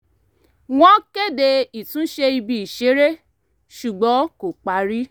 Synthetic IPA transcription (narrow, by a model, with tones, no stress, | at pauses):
w̃ɔ̃˦ke˦˨de˧i˨tũ˨˦ʃe˧i˧bi˧i˨ʃe˨˦ɾe˦ | ʃu˨ɡ͡bɔ̃˨˦ko˨k͡pa˨˦ɾi˦